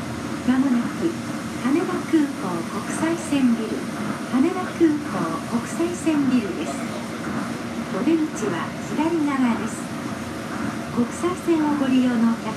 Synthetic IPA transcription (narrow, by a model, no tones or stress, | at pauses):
mamonakʲi | k̪ane̞b̪akɯ̟ːko̞ːko̞kɯ̟̥saisẽ̞mbʲiɾɯ̟̰ | k̪ane̞ɾakɯ̟ːkoːko̞kɯ̟̥saisẽ̞mbʲiɾɯ̟d̪e̞sɨ̥ | od̪ẽɲt͡ɕiβa̰sid̪aɾʲinaɡad̪e̞sɨ̥ | ko̞kɯ̟̥saisẽ̞nːoɡo̞ɾʲijoːno̞ja